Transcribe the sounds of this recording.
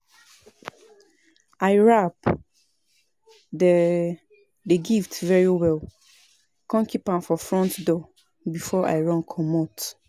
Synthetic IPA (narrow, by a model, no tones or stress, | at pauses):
aɪɹap | dɛ | deɡiftvɛɹiwɛl | kɔ̃nkʰipãmfɔfɹɔ̃ntdɔ | bifɔʔa̰ɪɹɔ̃nkʰɔmɔt